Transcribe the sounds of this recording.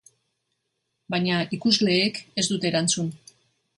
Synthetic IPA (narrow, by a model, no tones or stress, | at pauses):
bajɲaikuzle̞ːke̞zd̪ut̪e̞ːɾant͡sun